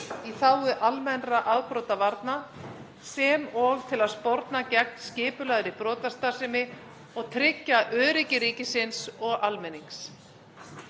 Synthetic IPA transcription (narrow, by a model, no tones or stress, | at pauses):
iθawʏʔalmɛnraʔaðpɾɔwt̪avaɾt̪na | sɛmɔɣt̪ʰɪlaðspɔɾt̪nacɛk̚nscɪːpʏlaðɾɪpɾɔːt̪ast̪ḁsɪmɪ | ɔɣt̪ʰɾɪcːaʔœːðɾɪcɪɾiːcɪsɪnsɔɣalmɛniŋks